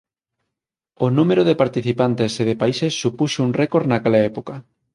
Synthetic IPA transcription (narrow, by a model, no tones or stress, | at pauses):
onũmeɾʊðepaɾt̪iθipant̪eseðepaisesːupuʃuŋrekoɾnakelaɛpokɐ